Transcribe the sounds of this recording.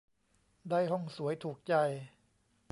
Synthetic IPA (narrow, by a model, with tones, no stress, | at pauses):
daː˥˩jɦɔ˥˩ŋsu˩˦əjt̪ʰuː˨˩k̚t͡ɕa˧j